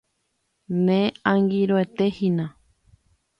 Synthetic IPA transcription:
nẽãŋɡiɾoet̪ehĩnã

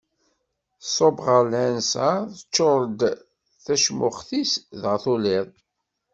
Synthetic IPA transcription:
sˤobʁəlænsəθət͡ʃːoɾˤd̪ | θæʃmʊχθisðəʁθolɪðˤ

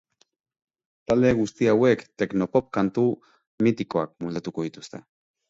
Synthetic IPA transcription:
t̪aleɣust̪iawekt̪eknopop̚kant̪u | mit̪ikoa̰k̚muld̪at̪ukojt̪ust̪e

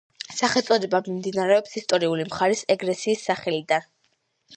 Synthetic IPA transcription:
saχɛt̪sʼɔd̪ɛbamimd̪inaɾɛɔpsist̪ʼɔɾiulimχaɾisɛɡɾɛsiːsːaχɛlid̪an

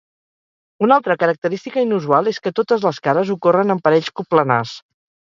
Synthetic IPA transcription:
unalˠt̪ɾəkəɾək̚t̪əɾist̪ikəinuzualˠeskət̪ot̪əzləskaɾəzukorənəmpəɾɛʎskupləna̰s

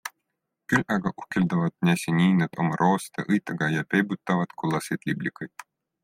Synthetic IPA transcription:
kylʲɑɡɑʔuhkeld̪ɑvɑd̪̥̚nʲæsʲinʲiːnɑd̪̥omɑɾʔoːst̪ɑʔɤjt̪ːˑɑɡɑjɑpejbut̪ˑːɑvɑd̪̥kulːɑsed̪lʲiblʲikːɤjd̪̥̚

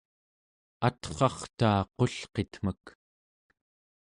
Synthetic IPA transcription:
at̪χɑχt̪aːqo̞ɬqet̪m̥ək

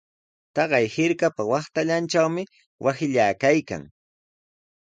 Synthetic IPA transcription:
t̪ɑɢɑjhɪɾkapawɑχt̪aʎant͡ʃawmɪ | wʔasɪʎaːkajka̰ŋ

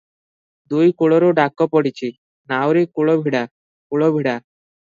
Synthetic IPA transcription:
d̪ujkoɭoɾoɖakːɔpɔɽit͡ɕʰi | nawɾikoɭobʱiɽa | kuɭobʱiɽa

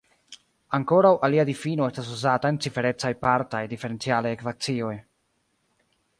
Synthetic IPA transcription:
aŋko̞ɾawʔaliadifino̞estas̬uzatae̞nt͡sife̞ɾe̞t͡sajpaɾtajdife̞ɾe̞nt͡sialajekvat͡sio̞j

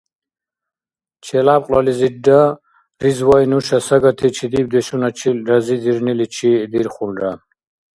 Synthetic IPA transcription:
t͡ʃʰɛlapqʼlalizida | ɾizwajnuʃasaɡat̪ʰit͡ʃʰid̪ib̚d̪ɛʃunat͡ʃʰilɾazid̪iɾnilit͡ʃʰid̪iɾχulɾa

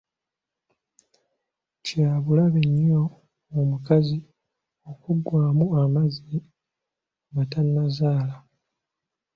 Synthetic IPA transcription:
caːβulaβeɲːo̞ | omukazi | okuɡwaːmuamazi | matanːazaːla

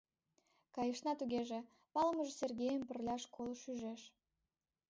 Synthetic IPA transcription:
kɑjəʃnɑt̪uɣeʒe | pɑləməʒeserɡʲejəmpərlʲɑʃkʰolˠʃyʒeʃ

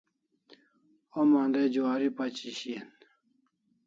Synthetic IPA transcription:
omãnd̪ed͡ʑuaɾipat͡ɕiɕien

